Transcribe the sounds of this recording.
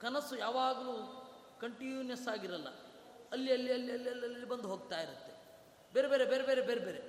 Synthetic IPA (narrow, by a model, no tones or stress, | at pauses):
kɐnɐsujaːʋaːɡɐluː | kɐɳʈinijɐsaːɡiɾɐlːɐ̰ | ɐlːiɐlːiɐlːiɐlːiɐlːɐlːibɐnd̪uɦoːɡ̚t̪aːjiɾut̪ːe̞ | beːɾebeːɾebeːɾebeːɾebeːɾebeːɾe